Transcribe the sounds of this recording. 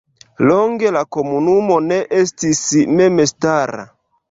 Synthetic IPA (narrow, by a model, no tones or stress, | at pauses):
loŋɡe̞lako̞munumo̞neʔestismemestaɾa̰